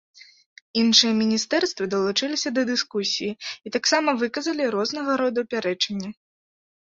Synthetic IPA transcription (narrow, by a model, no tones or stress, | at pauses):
inʂɨjɐmʲinʲist̪ɛrst̪vɐd̪ɐlˠut͡ʂɨlʲisʲɐd̪ɐd̪ɨskusʲijiit̪aksamɐvɨkɐzɐlʲiɾɔznɐɣɐɾɔd̪upʲaɾɛt͡ʂɐnʲːɐ